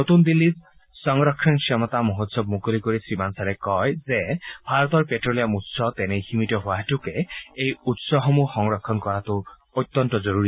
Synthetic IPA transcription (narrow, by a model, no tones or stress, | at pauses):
not̪und̪ilːi | sɔŋɾɔkʰːinksʰɔmɔt̪amoɦot̪sɔb̚mukolikoɾisɾimansaɾekɔjzebʱaɾɔt̪ɔɹpeʈɾolijamut̪sɔt̪ɛnehimitɔɦoaɦetukeejut̪sɔɦɔmuxɔŋɾɔkʰːɔnkɔɾat̪u | ot̪ːɔnt̪ɔzɔɾuɾi